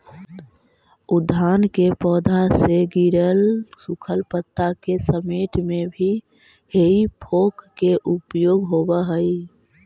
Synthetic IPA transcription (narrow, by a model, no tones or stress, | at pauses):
ud̪ʱːankepɔːd̪ʱaseɡiɾəlsukʰəlpət̪ːakesəmeːʈ̪mebʱi | heipʰokːeʔupjoːɡɦobəɦəi